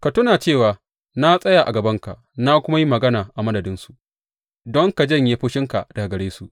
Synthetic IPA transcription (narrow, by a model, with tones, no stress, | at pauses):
ka˨tʊ˦naː˨t͡ʃeː˦˨waː˨ | na˦sʼɐ˦ja˨ʔa̰˨ɡɐ˨bɐ˦ŋka̰˨ʔna˦kʷʊ˦ma˦ji˦mɐ˨ɡɐ˦naː˨ʔa˨mɐ˦dɐ˨dɪ˦nsu˨ʔ | dɔ˦ŋka˨d͡ʒɐ˦˨ɲje˦ɸʊ˦ʃɪ˦ŋka˨d̥a˨ɡɐ˨ɽeː˦su˨ʔ